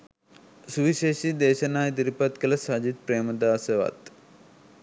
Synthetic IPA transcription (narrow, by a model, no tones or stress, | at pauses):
suʋiɕeːʃid̪eːʃɐnaːjt̪̬iɾipɐt̪kɐlɐsad͡ʒit̪̚pɾeːmɐd̪aːsɐʋa̰ːt̪